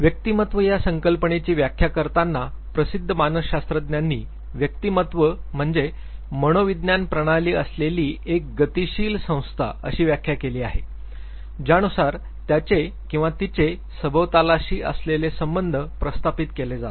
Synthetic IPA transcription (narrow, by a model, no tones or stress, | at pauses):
ʋjək̚t̪imət̪ʋəjasəŋkəlpəɳet͡ɕiːʋjakʰːjakəɾt̪anːa | pɾəsid̪ʱːəmanəɕast̪ɾəd̪njanːiː | ʋjək̚t̪imət̪ʋəm̤əɳd͡ze | məɽ̃oʋid̪njanpɾəɽ̃aliːəsleliːʔek̚ɡət̪iɕiːlsə̃w̃st̪ʰa̰ə̰ɕiːʋjakʰjakeliːaɦe | d͡ʑjañusaɾ | t̪jat͡ɕe | kĩw̃ʋat̪it͡ɕe | səbʱəʋt̪alaɕiːʔə̰slelesəmbənd̪ʱəpɾəst̪ʰapit̪keled͡zat̪